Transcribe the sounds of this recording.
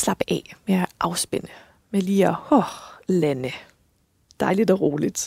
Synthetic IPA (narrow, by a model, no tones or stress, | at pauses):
slɑ̈b̥əʔɛ̰meæʔɑ̈ʊsb̥enə | meliːɒhɔlænə | d̥ɑ̈ɪlid̥ɒʁoːlid̥